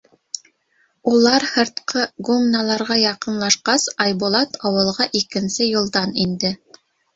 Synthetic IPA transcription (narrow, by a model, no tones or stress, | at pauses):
ulˠɑɾhɤ̆ɾt̪qɤɡumnalˠɑɾʁɑjɑqɤ̆nlˠɑʃqɑsɑjbulˠɑt̪ɑwɤ̆lˠʁɑʔikɘ̆nsɘjŭlˠd̪ɑnind̪ɘ